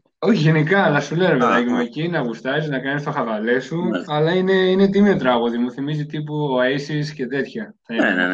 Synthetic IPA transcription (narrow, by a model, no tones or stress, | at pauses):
o̞çiʝe̞nikɐːlɐsuleɾomet̪ɐʝemuecinɐɣust̪ɐsiznɐkɐnist̪oxɐvɐle̞suɐlɐine̞ine̞t̪̬imot̪ɾɐɣoðimuθimizit̪ip̬uoɐisisce̞t̪e̞t̪çɐθɐin